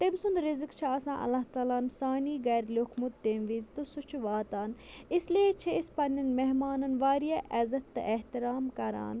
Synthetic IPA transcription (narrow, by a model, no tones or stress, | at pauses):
t̪emsʊnd̪ɾɪzɨkt͡ʃʰaɐsã̰ːʔɐ̰lːaɦt̪aːlaːnsaːniːɡɐːɾlʲokʰmud̪ːeːmʋiːzt̪osʊt͡ʃʰuʋaːt̪aːnɪsliet͡ʃʰeɪspɐnɐnmeɦmaːnɐnʋaːɾijaːʔɐzɐt̪ːɨʔeɦt̪iɾaːmkɐɾa̰ːn